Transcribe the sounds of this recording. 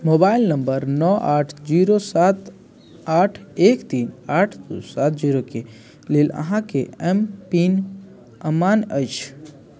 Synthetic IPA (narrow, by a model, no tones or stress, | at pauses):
moːbaːɪlnəmbəɾnɔʔaːʈʰd͡ʒiːɾosaːt̪ | aːʈʰeːkt̪iːnaːʈʰd̪osaːt̪̚ʰd͡ʒiːɾoke | leːlə̰ɦãkeɛmpiːn | əmaːnət͡ʃʰ